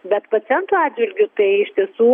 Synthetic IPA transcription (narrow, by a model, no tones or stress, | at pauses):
bʲɛt̪pɐt͡s̪ʲɛnt̪uɑːd͡ʒʲʋʲɪlʲɡʲʊt̪ɐɪɪʃʲt̪ʲiɛsuː